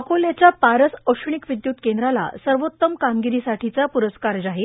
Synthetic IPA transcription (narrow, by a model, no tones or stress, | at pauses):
koljat͡ɕjapaɾəsəʂɳikʋid̪juːt̪kẽnd̪ɾala̰səɾʋot̪ːəmkamɡiɾiːsaʈʰit͡sapuɾəskaɾd͡zaɦe